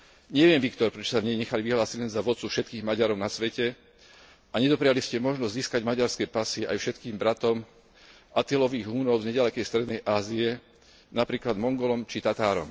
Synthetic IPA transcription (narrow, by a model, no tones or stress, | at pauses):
ɲɛʋɪɛmʋikt̪ɔɾpɾɛt͡ʃɔ̥savɲɛɲɛxaliʋiɦlaːsiɟlɛnzaʋɔt̪t͡sufʃɛt̪̚kiːɣmaɟaɾɔʊnasʋɛcɛ | ʔaɲɛd̪ɔpɾɛjaliscɛmɔʒnɔzziːskaɟmaɟaɾskɛːpasɪɛʔajfʃɛt̪kiːmbɾat̪ɔm | ʔat̪ilɔʋiːɣɦuːnɔʊzɲɛɟalɛkɛjst̪ɾɛd̪nɛjʔaːziɛ | napɾiːklad̪mɔŋɡɔlɔmt͡ʃit̪at̪aːɾɔ̰m